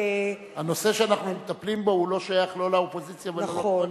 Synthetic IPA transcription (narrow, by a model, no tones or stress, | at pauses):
hano̞se̞ʃeanaχnumet̪aplimbo̞hulo̞ʃajaχlo̞laopo̞zit͡sjavel